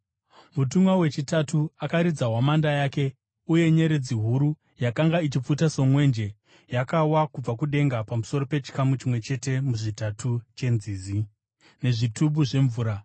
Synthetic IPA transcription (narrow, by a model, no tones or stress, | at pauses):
mutumwawe̞t͡ʃitatuakaɾid͡zawamandajaːke̞ | uje̞ɲe̞ɾed͡ziɦuɾu | jakaŋɡait͡ʃip͡futaso̞mwe̞nd͡ʒe̞ | jakawakub͡vakuɗe̞ŋɡapamuso̞ro̞pe̞t͡ʃi̥kamut͡ʃimwe̞t͡ʃe̞te̞muʐitatʰut͡ʃe̞nziːzi | ne̞ʐitubuʐe̞ɱvuːɾa